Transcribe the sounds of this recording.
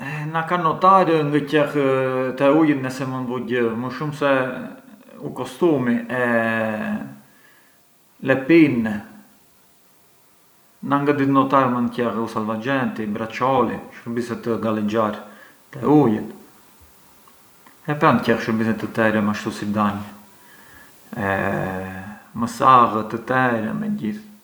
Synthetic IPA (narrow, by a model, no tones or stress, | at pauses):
ɛnakanɔt̪aɾŋɡəcɛxt̪ɛujət̪nɛsɛmənvuɟəməʃumsɛ | ukɔst̪umiʔɛ | lɛpinːɛ | naŋɡad̪it̪nɔt̪aɾmancɛxusalvad͡ʒɛnt̪ibɾat͡ʃɔlḭʃəɾbisɛt̪əɡalɛd͡ʒaɾ | t̪ɛujɛt̪ | ɛpɛncɛxʃəɾbisɛt̪ət̪ɛɾɛmaʃt̪usid̪aɲ | ɛ | məsaɣət̪ət̪ɛɾɛ̰mɛ̰ɟiθ